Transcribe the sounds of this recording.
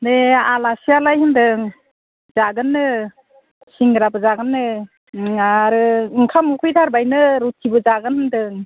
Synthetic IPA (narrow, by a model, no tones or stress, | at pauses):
dealasialajɦɯndɯŋ | zaɡɯnːɯ | siŋɡɾabɯzaɡɯnːɯ | aɾɯɯŋkʰamukʰɯjdʰʱaɾbajnɯɾutʰibɯzaɡɯnhɯndɯŋ